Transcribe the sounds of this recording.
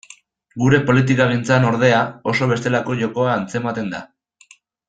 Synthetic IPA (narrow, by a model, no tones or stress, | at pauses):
ɡuɾe̞po̞lit̪̬ikaɣ̞int͡sano̞ɾðe̞ao̞so̞β̞e̞st̪e̞lako̞ʝo̞ko̞aːnt͡se̞mat̪e̞nd̪a̰